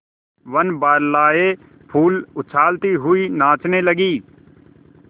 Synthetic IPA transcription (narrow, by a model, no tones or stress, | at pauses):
ʋənbaːɾlaːeː | pʰuːlʊt͡ʃʰaːlt̪iːɦʊiːnãːt͡ʃneːləɡiː